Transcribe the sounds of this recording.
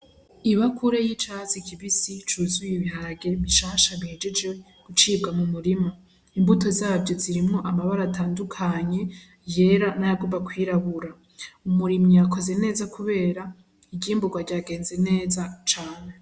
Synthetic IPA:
iβakʰuɾejit͡ʃazikʰiβisit͡ʃuːzujiβiɦaɾaɡe̞ɾβiʃaːʃaβihe̞d͡ʒe̞d͡ʒwe | ɡ̥ut͡ʃiːb̚ɡamumuɾima | imbuto̞zaːbɟo̞ziɾimŋo̞ʔamaβaɾaːtaːndukʰaɲe̞ | je̞ɾanajaɡumbakwiːɾaβuɾa | umuɾimijako̞ze̞ne̞ːzakʰuβe̞ːɾa | iɡiːmbuɡwaɾɟaɡe̞ːnze̞ne̞ːzat͡ʃaːne̞

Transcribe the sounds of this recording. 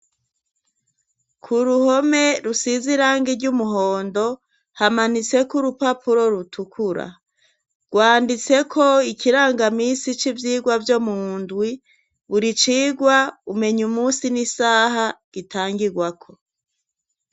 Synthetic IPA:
kʰuɾuho̞me̞ɾusiziɾaːŋɡiɾɟumuɦoːndo̞ | hamanit͡se̞kuɾupapʰuɾo̞ɾutʰukʰuɾa̰ | ɡ̥waːndit͡se̞kʰo̞ikiɾaːŋɡamiːsit͡ʃivjiːɡwavjo̞mundɡwi | βuɾit͡ʃiːɡwaume̞ɲumuːsinisaːɦaɡ̥itaːŋɡiɾɡwakʰo̞

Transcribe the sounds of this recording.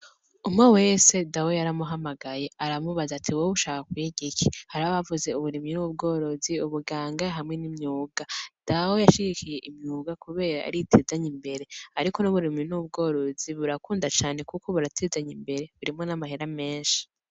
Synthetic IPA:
umŋewe̞ːse̞dawojaɾamuɦamaɡaje̞aɾamuβazatʰiwoβuʃaːkakweɟikihaɾaβaβavuze̞uβuɾiminub̚ɡo̞ːɾo̞ziuβuɡaːŋɡaɦamŋe̞nimɲuːɡad̥awo̞jaʃiɡikʰije̞ʔimɲuːɡakuβe̞ːɾaa̰ɾitʰeːzaɲimbe̞ɾe̞aɾiko̞nuβuɾiminub̚ɡo̞ːɾo̞ziβuɾakuːndat͡ʃaːne̞kuko̞βuɾatʰezaɲimbe̞ɾe̞βuɾimŋo̞namaɦeɾame̞ːnʃi̥

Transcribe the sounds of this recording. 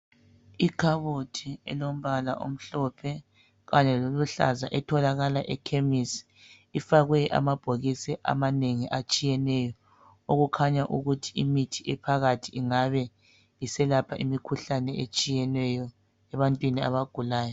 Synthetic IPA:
ikʰaβotʰiɛ̰lom̩βalaʔo̰m̩ɬɔpʰɛ | ɣaɲɛloluɬa̰za̰ʔɛtʰɔlaɣalaʔɛkʰemisi̥ | ifaɣwɛʔa̰mab̥ʱoɣisɛʔa̰maneŋiʔat͡ʃʼijɛnɛjɔ | oɣukʰaɲaʔuɣutʰiimitʰiʔɛpʰaɣatʰiiŋaβɛ | jisɛlapʰaʔimikʰuɬanɛet͡ʃʼijɛnwɛjɔ | ɛβantʼwinia̰βaɡ̥ʱulaːjɔ

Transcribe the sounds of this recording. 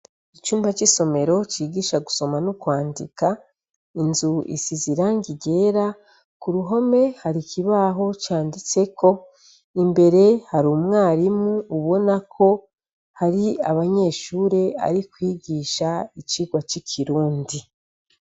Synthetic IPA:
it͡ʃuːmbat͡ʃiso̞me̞ɾo̞t͡ʃiːɡiːʃaɡuso̞manukwaːndḭka | inzuḭsiziɾaŋɡiɟe̞ːɾa | kuɾuɦo̞me̞haɾikiβaɦo̞t͡ʃaːndit͡se̞kʰo̞ | imbe̞ɾe̞haɾuːmŋaːɾimuːβo̞nakʰo̞ | haɾia̰βaɲe̞ːʃuːɾe̞a̰ɾikwiːɡiːʃait͡ʃiːɡwat͡ʃikʰiɾuːndi

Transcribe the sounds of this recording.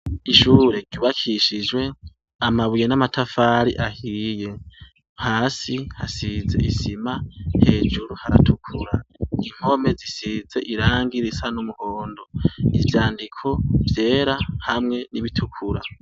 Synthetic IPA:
iʃuːɾe̞ɟuːβakʰiʃid͡ʒwe̞ | amaβujenamatʰafaːɾḭʔahiːje̞ | haːsihasize̞̰isimahe̞ːd͡ʒuɾuhaɾa̰tʰukʰuɾaiŋ̥ho̞me̞zisize̞̰ʔiɾaːŋɡiɾisanumuhoːndo̞ivjaːndikʰo̞vje̞ːɾahamŋe̞niβitʰukʰuɾa

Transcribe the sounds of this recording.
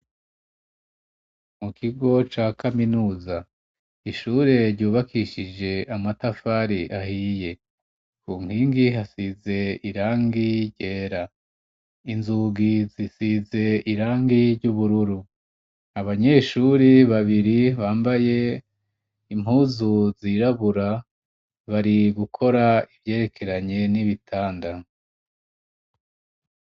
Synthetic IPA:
mukʰiɡo̞t͡ʃakʰaminuːza | iʃuːɾe̞ɾɟuːβakʰiʃid͡ʒe̞ʔamatafaɾiʔahiːje̞ | kuːŋ̥hiːŋɡiɦasize̞iɾaːŋɡiɟe̞ːɾa | inzuːɡizisize̞iɾaːŋɡiɾɟuβuɾuɾu | aβaɲe̞ʃuɾiβaβiɾiβaːmbaje̞ | im̥uːzuziɾaβuɾa | βaɾiɡukʰo̞ɾaivje̞ːɾe̞kʰe̞ɾaɲe̞niβitʰaːnda

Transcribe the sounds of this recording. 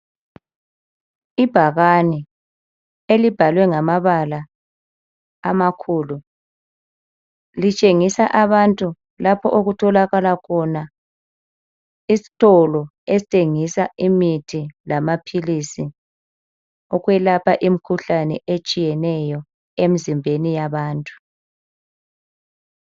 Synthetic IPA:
ib̥ʱaɣani | elib̥ʱalwɛŋamaβala | makʰuːlu | lit͡ʃʼeŋisaʔaβantʼu | lapʰɔʔoɣutʰɔlaɣalakʰɔna | isi̥tʼɔlɔ | esi̥tʼeŋisaimitʰilamapʰilisi | ɔɣwɛlapʰaʔim̩kʰuɬanɛʔet͡ʃʼijɛnɛjɔ | em̩zimbʱenijaβaːntʼu̥

